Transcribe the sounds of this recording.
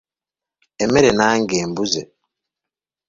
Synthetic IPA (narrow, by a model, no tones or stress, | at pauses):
ɛmɛɾɛnaŋɡɛːmbuzɛ